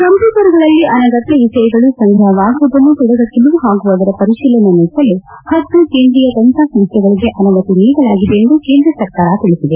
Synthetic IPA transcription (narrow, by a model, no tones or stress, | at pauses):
kɐmpukɐɾuɡɐɭɐlːiʔɐnɐɡɐt̪ːɐisɐjɐɡɐɭusɐŋɡ̪ʱɾɐʋaːsɐb̪ɐnːut̪ɔɽɐɡɐk̪ːiluʋuɦaːɡuʋaːd̪ɐɾɐpɐɾisiːlɐnɐniːsɐlːu | hɐt̪ːukeːnd̪ɾijɐk̪ɐnt̪aːsɐmʂʈɐɡɐɭiɡe̞ʔɐnɐʋɐt̪iniːɡɐlaːɡid̪eend̪ukeːnd̪ɾɐsɐɾkaːɾɐt̪iɭisid̪e